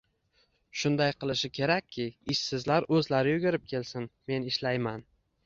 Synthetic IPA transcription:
ʃʊnd̪ajqʰɨlˠɪʃɪkʲʰe̞ɾakʲʰːɪɪʃsɪzlaɾɵzlaɾɪjʊɡʲɪɾɪp̚kʲʰe̞lsɪnme̞nɪʃlajman

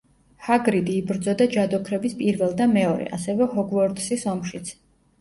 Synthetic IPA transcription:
haɡɾid̪iːbɾd̪zɔd̪ad͡ʒad̪ɔkʰɾɛbispʼiɾvɛlˠd̪amɛɔɾɛ̰ʔa̰sɛvɛhɔɡvɔɾt̪sisɔmʃit̪sʰ

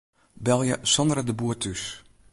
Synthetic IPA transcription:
bɛlˠjəsɔnd̪rədəbuətʰys

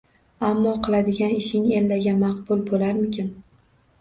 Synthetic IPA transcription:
amːɒqʰɨlˠad̪ɪɡʲanɪʃɪŋelːaɡʲamɑqbʊlˠbolaɾmɪkʲʰɪn

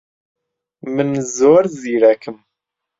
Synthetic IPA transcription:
mənːəzʊɾziɾækːəm

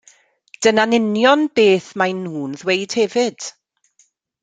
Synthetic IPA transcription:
d̥ənanɪnjɔnbeːθmajnhuːnðwejd̥hɛvɪd̥

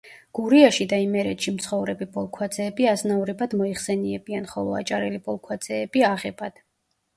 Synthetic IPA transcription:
ɡ̥uɾiaʃid̪aimɛɾɛt̪ʃimt̪sʰχɔvɾɛbibʼɔlˠkʰwad̪zʰɛːbiaznavɾɛbad̪̥mɔiχsɛniɛbianχɔlˠɔa̰t͡ʃʼaɾɛlipɔlˠkʰwad̪z̥ɛːb̥iaʁɛbad̪̥

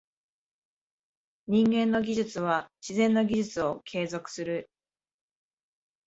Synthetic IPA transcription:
ɲ̟ĩŋɡẽ̞nːo̞ɡʲiʑɨt͡sɨβaɕizẽ̞nːoɡʲiʑɨt͡sɨo̞kʰe̞ːzo̞kɯ̟̥sɨɾɯ̟

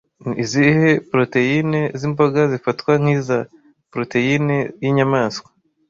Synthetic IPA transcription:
izihe̞pɾo̞te̞jine̞zimboɡazifatkwaŋ̥hiza | pɾo̞te̞jinejiɲamaːskwḁ

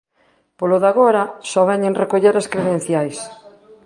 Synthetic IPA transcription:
poloðaɣoɾɐsɔβɛɲeŋrekoʎeɾaskɾeðen̟θjajs

